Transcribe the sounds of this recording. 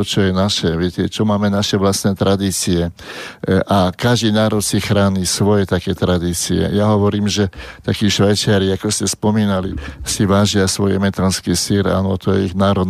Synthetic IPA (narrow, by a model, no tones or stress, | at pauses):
ɔt͡ʃɔjɛnaʃɛʋɪɛcɛt͡ʃɔmaːmɛnaʃɛʋlast̪nɛːt̪ɾʔad̪iːt͡siɛ | ʔakaʒd̪iːnaːɾɔt̪sixɾaːɲisʋɔjɛt̪akɛːt̪ɾad̪iːt͡siɛ̰jaɦɔʋɔɾiːmʒɛt̪akiːʃʋajt͡ʃɪaɾiakɔscɛspɔmiːnalisiʋaːʒɪasʋɔjɛmɛt̪anskiːsiɾa̰nɔt̪ɔjɛiɣnaːɾɔd̪